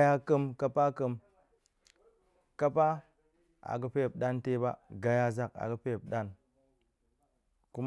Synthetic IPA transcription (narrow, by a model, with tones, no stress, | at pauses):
ja˦kə˦mka˦pa˦kə˦m | ka˦pa˦ | a̰˨ɡə˦pe˦˨p̚ɗa˦nte˦ba˦ɡa˨ja˦za˦ka̰˨ɡə˦pe˦˨p̚ɗa˦n | ku˦m